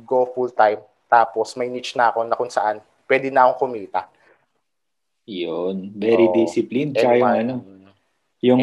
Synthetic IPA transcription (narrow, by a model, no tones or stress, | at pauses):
ɡofult̪ajm | t̪aːpo̞smɐjnit͡ʃnɐʔɐko̞nɐkʊŋsɐʔan | pwɛːd̪ɪnɐʔɐkoŋkʊmiːt̪ɐ̰ | jonvɛɾid̪isɪplinɐkajŋɐno | jʊŋ